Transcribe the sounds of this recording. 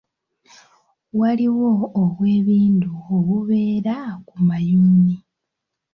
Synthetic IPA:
waliwo̞ːβwe̞ːβiːnduoβuβe̞ːɾakumajuːni

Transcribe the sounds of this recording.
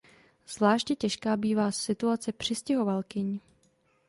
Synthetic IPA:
z̥vlaːʃtjɛcɛʃkaːbiːvaːsɪt̪uat͡sɛpr̝̥ɪscɪɦo̞valkɪɲ

